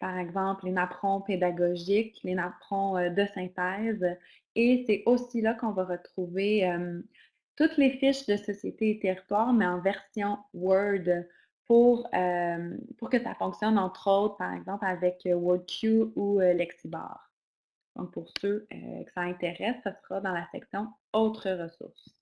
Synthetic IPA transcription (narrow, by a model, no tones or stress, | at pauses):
paʁɛɡzɑ̃plenapχɔ̃ped̪aɡɔʒɪklenapχɔ̃ød̪əsɛ̃t̪ɛːz | esɛʔosilakɔ̃vaʁət̪χuveœm | t̪ut̪lefɪʃd̪əsɔsjet̪eːt̪eʁit̪waːʁmɛɑ̃vɛʁsjɔ̃wœld̪ | puʁømpuʁkəsa̰fɔ̃ksjɔnɑ̃t̪χɔt̪χəpaʁɛ̰ɡzɑ̃plavɛkəwɔd̪̚kʲʰjuuølɛksibɑ̰ːʁ | d̪̥ɔ̰̃k̚pʊʁsøø̰kʲi̥saɛ̃t̪eʁɛsːasəʁad̪ɑ̃lasɛ̰ksjɔ̃ | ɔt̪χəʁəsʊ̰ʁs